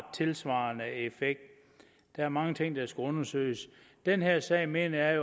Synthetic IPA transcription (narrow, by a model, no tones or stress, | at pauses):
t͡sʰe̝lsʋɑ̈ːnəefeɡ̥̚d̥ | d̥ɑ̈æɐmɑ̈ŋət͡sʰe̝ŋ̰d̥ɑ̈sɡ̥æɔ̽nɐsø̰ɪəs | d̥enɦeɐ̰sɛ̰ːɪme̝̰ːnɐjɑ̈jo